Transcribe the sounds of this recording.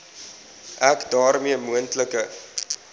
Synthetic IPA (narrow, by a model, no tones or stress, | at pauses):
ʔækdɑːrmiəmuəntləkə